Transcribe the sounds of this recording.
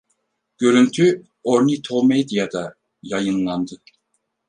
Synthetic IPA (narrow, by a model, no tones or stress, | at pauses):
ɟ̥ø̞ɾynt̪ʰy | oɾnit̪ʰomed̪ijad̪a | jajɯnlˠand̪ɯ